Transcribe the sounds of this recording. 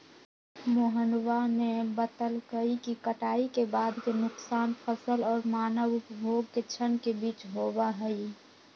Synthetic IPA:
moɦənwanebət̪əlkəikikəʈaːikebaːd̪kenʊksaːnpʰəsəlɔːɾmaːnəʋʊpbʱoːɡ̚ket͡ʃʰənkebiːt͡ʃɦoːbaɦɛi

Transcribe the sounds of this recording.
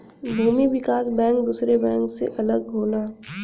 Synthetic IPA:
bʱuːmiʋɪkaːsbɛ̃ːŋk̚d̪uːsɾebɛ̃ːŋksḛʔɐləɡɡʱoːlaː

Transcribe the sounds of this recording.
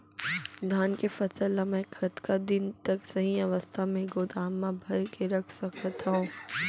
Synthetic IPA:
d̪ʱaːnkefɐsəlɐmɛ̃ːkʰɐt̪kad̪ɪnt̪ɐksɐɦiɐʋəst̪ʰamẽɡoːd̪aːmːãbʱɐɾkeɾɐkʰsɐkət̪aõː

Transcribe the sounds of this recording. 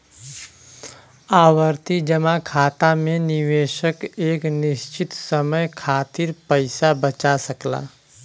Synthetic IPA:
aːwəɾt̪id͡ʒəmakʰaːt̪amẽnɪweːʃəkeːknɪst͡ʃɪt̪səməjkʰaːt̪iɾpəɪsabət͡ʃasəkla̰ː

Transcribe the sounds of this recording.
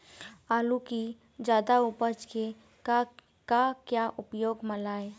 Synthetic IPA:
aluki | d͡ʒaːd̪aupəɾt͡ʃke | kakjaʔʊpjoːɡməlaːe

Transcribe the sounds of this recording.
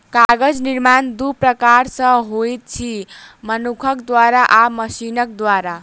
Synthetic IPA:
kaɡəd͡zniɾmand̪upɾəkaɾsə̃ɦojt̪̚t͡ʃʰimənukʰʌkd̪waɾaʔaməsinʌk̚d̪waɾa

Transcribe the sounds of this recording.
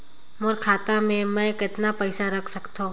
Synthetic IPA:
mʊɾkʰaːt̪amẽmɛ̃ːkɪt̪napəɪsaɾɐkʰsɐkt̪õː

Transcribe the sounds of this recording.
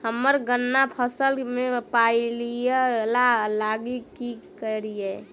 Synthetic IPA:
həmːəɾɡənːapʰəsəlmepailijelalaɡikikəɾije

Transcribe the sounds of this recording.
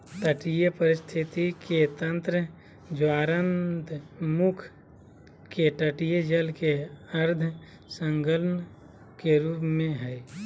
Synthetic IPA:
t̪əʈijepəɾɪst̪ʰɪt̪iket̪ə̃nt̪ɾə | d͡ʒwaːɾənd̪ʱmʊkʰ | keʈəʈijed͡ʒəlkeəɾd̪ʱ | sə̃ŋɡələn | keɾuːpmẽɦɛː

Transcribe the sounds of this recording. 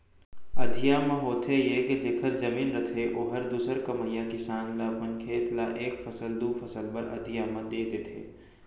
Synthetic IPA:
ɐd̪ʱijaːmãɦoːt̪ʰejeked͡ʒeːkʰəɾzɐmiːnɾɐt̪ʰeʔoːɦɐɾd̪uːsəɾkɐməjːakisãːnlapɐnkʰeːt̪laʔeːkfɐsəld̪uːfɐsəlpɐɾɐ̰d̪ʱijamãd̪eːd̪eːt̪ʰḛː

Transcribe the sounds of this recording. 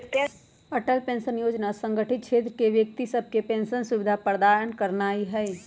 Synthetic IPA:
t̪ | əʈəlpẽːnsənjoːd͡ʒnasə̃ŋɡəʈʰɪt̪̚t͡ʃʰeːt̪ɾəkeʋjəkt̪isəb̚ʱkepẽːnsənsʊʋɪd̪ʱapəɾd̪aːɾənkəɾnaːiɦɛi

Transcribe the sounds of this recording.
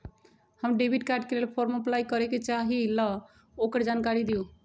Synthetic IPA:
həmɖebʱiʈkaɾɖ̚kelelpʰoɾməplajkəɾeket͡ʃaɦilʌ | okəɾd͡ʒankaɾid̪iju

